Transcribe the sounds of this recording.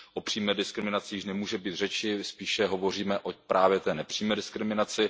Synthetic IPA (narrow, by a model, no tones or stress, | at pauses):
ʔopr̥iːmɛːdɪskɾɪmɪnat͡sɪjɪʃnɛmuːʒɛbiːt̪r̝ɛt͡ʃɪspiːʃɛɦovo̞r̝iːmɛʔopɾʔaːvjɛt̪ɛːnɛpr̥iːmɛːdɪskɾɪmɪnat͡sɪ